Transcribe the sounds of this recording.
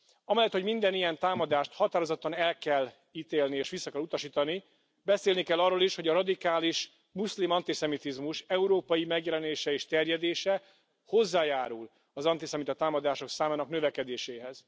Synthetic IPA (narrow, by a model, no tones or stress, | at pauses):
ɒmɛlːɛt̪ho̞ɟmind̪ɛnijɛnt̪aːmɒd̪aːʃt̪hɒt̪aːɾo̞zot̪ːɒnɛlkɛlː | iːt̪eːlnieːʃʋisːɒkɛlut̪ɒʃiːt̪ɒni | bɛseːlnikɛlːɒrːoːliʃho̞ɟɒɾɒd̪ikaːliʃ | muslimɒnt̪isɛmit̪izmuʃɛuɾoːpɒjimɛɡjɛlɛneːʃɛeːʃt̪ɛrjɛd̪eːʃɛ | ho̞zːaːjaːɾul | ɒzɒnt̪isɛmit̪ɒt̪aːmɒd̪aːʃo̞ksaːmaːnɒknø̞vɛkɛd̪eːʃeːɦɛz̥